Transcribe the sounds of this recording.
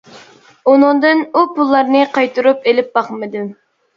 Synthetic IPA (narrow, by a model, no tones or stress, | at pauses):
unɨŋd̪ɨnupulˠːɑɾnɨqʰɑjt̪ʰuɾupelɪp̚bɑχmɨd̪ɨm